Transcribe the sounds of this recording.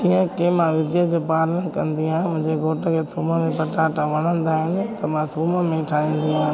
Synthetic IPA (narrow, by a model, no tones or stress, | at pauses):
d͡ʑĩːə̃kemãʋɪd̪jəd͡ʑopaːɾlənkɐ̃nd̪iɦãːmʊ̃ɦɪ̃ɲd͡ʑeɡʱoːʈəkʰet̪ʰuːməmẽpɐʈaːʈaʋɐɽ̤̃ə̃nd̪aːɦɪnɪ̆t̪ɐmãt̪ʰuːməmẽʈʰaːĩnd̪iɦãː